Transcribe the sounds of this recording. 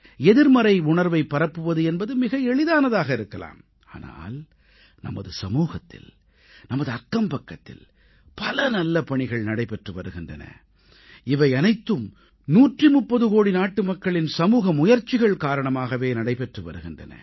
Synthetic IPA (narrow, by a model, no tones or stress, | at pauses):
ɛðɪɾmɐɾɐɪʊɳɐɾʋɐɪpːɐɾɐpːɯʋɐðɯɛnbɐðɯmɪɣɐɛɭɪðaːnɐðaːɣɐɪɾɯkːɐla̰ːm | a̰ːna̰ːl | nɐ̰mɐ̰ðɯsɐmuːɣɐt̪ːɪ̰l | nɐmɐðɯɐkːɐmpɐkːɐt̪ːɪ̰l | pɐlɐnɐlːɐpɐɳɪɣɐɭnɐɽɐɪpɛʈrɯʋɐɾɯɣɪndrɐ̰nɐ̰ | ɪʋɐɪɐnɐɪt̪ːɯm | nuːʈrimʊpːɐðɯɣoːɽinaːʈːɯmɐkːɐɭɪnsɐmuːɣɐmʊjɐɾt͡ʃːɪɣɐɭkaːɾɐɳɐmaːɣɐʋeːnɐɽɐɪpɛʈrɯʋɐ̰ɾɯɣɪndrɐ̰nɐ̰